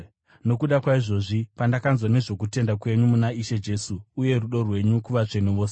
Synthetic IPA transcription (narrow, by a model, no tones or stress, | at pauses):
no̞kuɗakwaiʐo̞ʐipandakanzwane̞ʐo̞k̬ute̞ndakwe̞ɲumunaiʃe̞d͡ʒe̞suːje̞ruɗo̞rwe̞ɲukuʋat͡ʂe̞neʋo̞ːse